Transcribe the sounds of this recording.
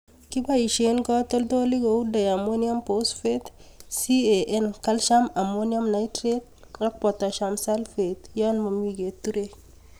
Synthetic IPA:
ki˦bai˨ʃe˦nɡɔ˦to˦lto˦li˦ɡo˨u˦da˨ja˨mo˦nja˦mposfe˦tsie˨ʔe˦nka˦lʃa˦ma˨monja˦mna˨itɾet̚ | ŋa˦k̚pɔ˨ta˨ʃamsa˦lfe˨t̪janmo˨miɡe˨tːu˦ɾe

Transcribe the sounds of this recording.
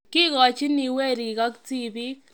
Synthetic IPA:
ki˦kɔ˨t͡ʃi˦ni˨we˦˨ɾi˨ka˦kti˦˨bi˦

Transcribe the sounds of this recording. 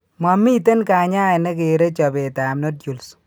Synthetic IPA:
ma˨mi˦te˦nka˨ɲa˦ɛ˨nɛ˦ke˨ɾe˦t͡ʃɔ˨be˨ta˨mno˦dju˨ls

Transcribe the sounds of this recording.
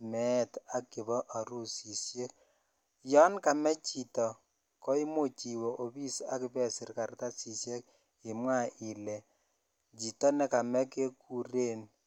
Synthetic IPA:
mɛ˦˨ta˦kːɪ˨βɔ˦ʔa˨ɾu˦si˨sje˦k̚ | jɔ˦nka˨mɛ˦t͡ʃi˨tɔ˨ | kɔ˦i˦mo˦˨t͡ʃi˨wɔ˨ʔo˨bi˦sa̰˨˦kɪ˦pɛ˦˨sɪ˨rka˨rta˦si˨sje˦k̚ | ɪ˨mwa˦i˨lɛ˨ | t͡ʃi˨tɔ˦nɛ˦ka˨mɛ˦ke˦ku˨re˦˨n

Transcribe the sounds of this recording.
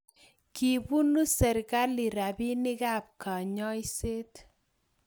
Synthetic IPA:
ki˨bu˦nu˦sɛ˨ɾka˦li˨ɾa˨bi˦nɪ˦ɡa˦˨p̚ka˨ɲɔ˦i˦se˦t

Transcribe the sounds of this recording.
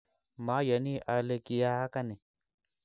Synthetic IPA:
ma˨˦ja˨ni˦ʔa˨le˧ki˨ja˦ka˦ni˨

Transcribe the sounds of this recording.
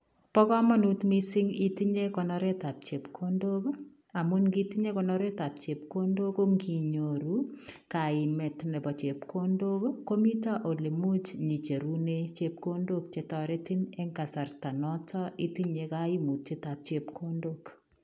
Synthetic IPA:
pɔ˦kɔ˦mɔ˦nu˦tmi˦si˦ŋi˦ti˦ɲe˦kɔ˨nɔɾe˦ta˨p̚t͡ʃe˨pkʰondo˦k | a˨mu˦nki˦ti˦ɲe˦kɔnɔ˦ɾe˦ta˨p̚t͡ʃe˨p̚ko˦ndo˦ko˦ŋɡi˨ɲo˨ɾu˦ka˨ɪ˨mɛ˨tne˨bɔ˨t͡ʃe˨pkʰo˦ndo˦ko˦ko˦mi˦ta˦ʔo˨li˨mu˦t͡ʃɲi˨t͡ʃe˨ɾu˦net͡ʃep̚ko˦ndo˦kt͡ʃe˨tɔ˨ɾe˦ti˦ne˦ŋka˨sa˨rta˨nɔtɔ˦i˦ti˦ɲekai˦mu˨tt͡ʃe˦ta˨p̚t͡ʃe˨pkʰo˦ndok

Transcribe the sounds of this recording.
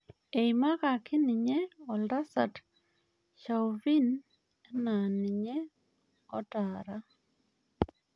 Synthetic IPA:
e˨ima˦ka˨kɪ˦nɪ˨ɲe˦ɔ˨lda˦sa̰˨t | ʃa˨wvi˦n | ɛ˦na˨nɪ˨ɲe˦ | ɔ̰˦ta˨ɾa˦

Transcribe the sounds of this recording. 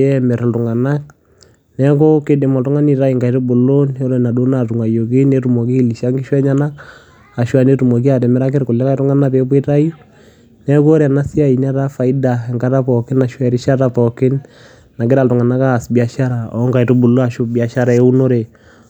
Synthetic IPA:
ɛ˦mɛ˨ɾndʊ˨ŋa˨na˦k̚ | nɛ˦k̬o˦ke˦de˨mɔ˨ltʊ˦ŋa˦ni˨ta˦i˨ŋɡa˨jtʊ˦bʊ˨lo˦nɔ˦lɔ˦˨na˨do˦na˨tu˨ŋa˨jo˨k̬ɪ˦ne˦tu˨mɔ˨ki˦li˨ʃa˦ŋɡɪ˦ʃwɛ˦ɲa˦na˦k | a˨ʃwa˦˨ne˦tu˨mɔ˨k̬i˦a˨tɛ˨mɛ˦ɾa˦k̬ɪ˦ɾkʊ˨lːɛ˦ka˦i˦tʊ˦ŋa˦na˦pe˦p̬wi˦ta˦ju˦ | nɛ˦ko˦ɾna˦si˦a˦i˨nɛ˦ta˦fa˨i˦da˨ɛ˨ŋka˦ta˦pɔ˨kɪ˦na˨ʃɛ˨ɾi˦ʃa˦ta˦pɔ˨kɪ˦n | na˨kɪ˦ɾa˨ltʊ˨ŋa˨na˦ka˦˨sbi˨a˨ʃa˦ɾa˨ɔ̰˨˦ŋɡa˨i˨tʊ˦bu˨lo˦a˨ʃʊ˦bi˨a˨ʃa˦ɾa˨ɛ˦u˦no˦ɾe˨

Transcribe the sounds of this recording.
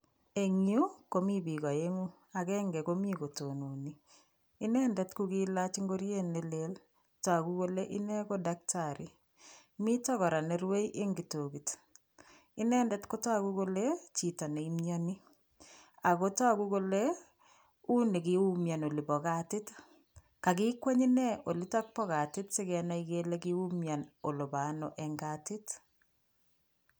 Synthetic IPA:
e˨ŋju˦ko˦mi˦bi˨ɣɔ˨e˦ŋu˦ | a˨kɛ˦ŋɡɛ˨ko˦mi˦ko˨tonu˨niː˨˦ | nɛ˦ndɛtkuki˦la˦t͡ʃi˦ŋɡo˦ɾje˦nːe˦le˦l | ta˨ku˦ko˦le˦ʔi˦nɛ˦ko˦dak̚taɾi˨ | mi˦tɔ˦kɔ˨ɾa˨ne˦ɾwe˦iʔe˦ŋɡi˨to˨kit | ɪ˦nɛ˦ndɛ˦tko˦ta˦kuko˦le˦t͡ʃi˨ta˨ne˨imjani˦ | a˨ko˦ta˦kuko˦le | u˦ni˨kɪu˦mja˨no˨li˨bɔ˨katɪ˦t | ka˨kikwa˦ɲi˦nɛo˨lita˦k̚pɔ˦ɣa˨tɪ˦tsɪkɛ˨na˦ikele˦ki˦u˦mja˨no˨lo˨ba˨nɔ˨ʔɛŋɡatɪ˦t

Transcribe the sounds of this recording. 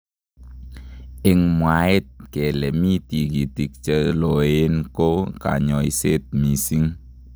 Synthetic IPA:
ɪ˨ŋmwa˨ɪ˦t̚kɛ˨lɛ˨mi˦ti˨ki˨ti˨k̚t͡ʃə˦lo˨e˦nko˦ka̰˨ɲɔ˨i˦se˦t̚mi˨si˦ŋ

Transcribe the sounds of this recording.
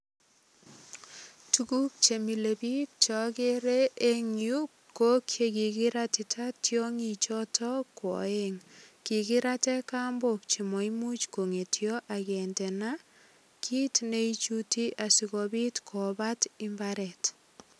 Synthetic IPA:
tuku˦k̚t͡ʃe˨mi˨le˨bi˦t̚t͡ʃɔ˦ke˦ɾe˦e˦ŋju˦k | kːo˦kʰje˨ki˨ki˦ɾati˨tʰatjo˦ŋit͡ʃɔtʰɔkwɔ̰˨e˦ŋki˨kɪ˦ɾatɛ˦ka˦mbo˨kt͡ʃi˨mɔ˨i˦mu˦t͡ʃko˨ŋe˨tjɔ˦ʔakɛ˨ntɛ˨na | kʰi˦tne˦it͡ʃuti˦ʔa˨sikɔ˨bi˦tkʰɔ˨ba˦ti˦mbaɾɛ˨t

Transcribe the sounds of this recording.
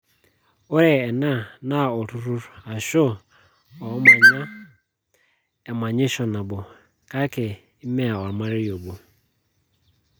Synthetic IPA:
o˦ɾɛ˨ɛ˨nã˦˨nã˦˨ɔ˨ɾʊ˦ɾʊ˦ɾa˨ʃʊ˦ | ɔ˨˦mã˨ɲã˦ | ɛ˨mã˨ɲɪ˦ʃɔ˨nã˨bʊ˨ | ka˦kɪ˨ | ɪ˦mɛ˦a˨ɔ˨ɾmã˦ɾɪ˦jo˨bo˨

